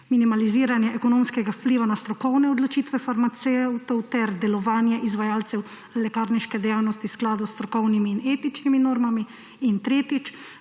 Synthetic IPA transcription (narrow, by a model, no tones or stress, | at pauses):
minimaliziːɾanjɛʔɛkɔnomskɛɡawpliːʋanast̪ɾɔkɔwnɛɔd̪lɔt͡ʃiːt̪ʋɛfaɾmat̪sɛwt̪ɔwt̪ɛɾd̪ɛlɔʋaːnjɛʔizʋajaːlt̪sɛw | lɛkaːɾniʃkɛd̪ɛjaːwnɔst̪iwsklaːd̪ust̪ɾɔkɔwnimiːneːt̪it͡ʃniminoːɾmamiː | nt̪ɾeːt̪it͡ʃ